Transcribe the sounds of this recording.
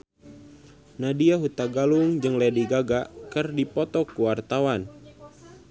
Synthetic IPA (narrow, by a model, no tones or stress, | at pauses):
nadiaɦut̪aɡaluŋd͡ʒɨŋlɛdiɡaɡakɨrdipɔt̪ɔkuwart̪awan